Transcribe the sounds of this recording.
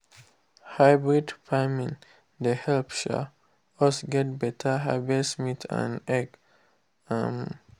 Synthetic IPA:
haɪbɹidfamĩŋ | d̪əhɛlpʃa̰ | ɔsɡɛt̚bɛtʰəɦaɪbidsmitʰã̰nɛɡ | am

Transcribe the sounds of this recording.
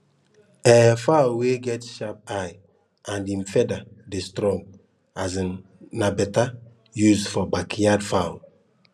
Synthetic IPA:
ɛfawlweɡɛtʃap̚aj | ʔãndĩmfɛdadestɾɔ̃ŋɡ | azn | nabɛta | juzfɔbakʰijadfaʊ

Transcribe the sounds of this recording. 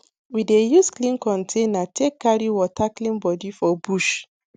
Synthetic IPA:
widejusklĩnkɔ̃ntʰẽnatʰekːaɹiwɔtʰaklĩnbɔdifɔbuʃ

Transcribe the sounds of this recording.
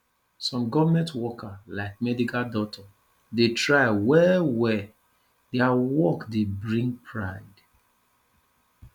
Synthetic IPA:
sɔ̃mɡɔvamɛ̃ntwɔkʰalaɪk̚mɛdikaldɔtʰa | detɹaɪwɛwɛ | dɛawɔkdebɹĩŋɡpʰɹaɪd

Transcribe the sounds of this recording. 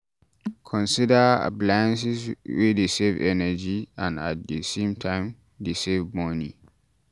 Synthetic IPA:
kʰɔ̃nsidəa̰plajãns̬iswidesevɛnəd͡ʒiãnat̚dəsẽmtʰãɪ̃m | desevmɔni

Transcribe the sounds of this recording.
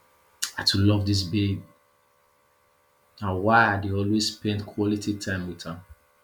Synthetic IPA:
atulɔvdis̬bebi | awaɪadeɔlwesspɛ̃ndkʰwɔlititʰãɪ̃mwiðãm

